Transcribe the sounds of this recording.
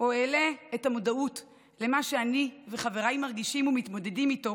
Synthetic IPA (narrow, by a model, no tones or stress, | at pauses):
oele̞ːtamodaut | le̞maʃe̞aniveχave̞ʁajmaʁɡiʃimumitmo̞de̞dimito̞